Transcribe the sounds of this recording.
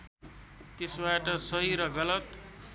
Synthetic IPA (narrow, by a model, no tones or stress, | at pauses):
t̪esbaʈʌsʌɦiɾʌɡʌlʌt̪